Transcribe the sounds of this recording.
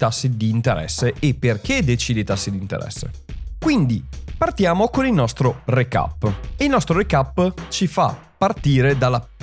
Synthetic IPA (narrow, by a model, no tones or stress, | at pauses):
t̪asːid̪iːnt̪eɾɛ̰sːeːpːerked̪et͡ʃiːd̪et̪asːid̪iːnt̪ḛɾɛ̰sːḛ | kwind̪ipart̪jaːmokonilnɔst̪ɾoreka̰pːeilnɔst̪ɾoɾekapːt͡ʃifa̰pːart̪iːɾed̪alːa